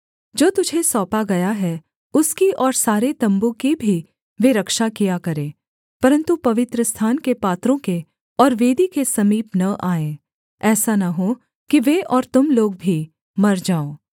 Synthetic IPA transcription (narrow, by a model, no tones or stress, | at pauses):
d͡ʒoːt̪ʊd͡ʒʱesɔːpaɡɐjaɦɛ | ʊskiʔɔːɾsaːɾet̪ɐ̃mbõkibʱi | ʋeɾɐkʃakijakɐɾẽː | pɐɾə̃nt̪upɐʋɪt̪ɾəst̪ʰaːnkepaːt̪ɾõke | ɔːɾʋeːd̪ikesɐmiːpnɐʔaːẽː | ɛːsanɐɦo | kiʋeʔɔːɾt̪ʊmloːɡ̚bʱi | mɐɾd͡ʒaːoː